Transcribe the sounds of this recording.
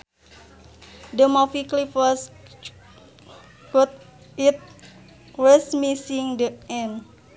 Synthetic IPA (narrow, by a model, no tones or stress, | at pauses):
dəmɔfiklifɔs | kut̪̚ | it̪̚ | wəsmisiŋdəɛn